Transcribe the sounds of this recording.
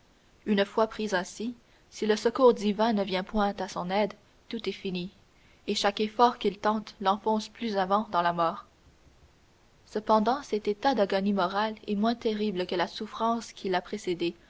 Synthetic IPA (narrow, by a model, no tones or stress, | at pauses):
ynfwapχizɛ̃si | siləsəkuːʁd̪ivɛ̃nəvjɛ̃pwɛ̃t̪asɔ̃nɛd̪ | t̪ut̪ɛfini | eʃakefɔːʁkʲilt̪ɑ̃t̪lɑ̃fɔ̃splyzavɑ̃d̪ɑ̃lamɔːʁ | səpɑ̃d̪ɑ̃sɛt̪et̪ad̪aɡɔnimɔʁalɛmwɛ̃t̪eʁibləkəlasufχɑ̃skʲʰilapχesed̪e